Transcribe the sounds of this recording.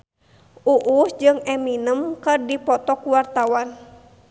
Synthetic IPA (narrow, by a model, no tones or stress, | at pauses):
ʔuʔusd͡ʒɨŋɛminəmkɨrdipɔt̪ɔkuwart̪awan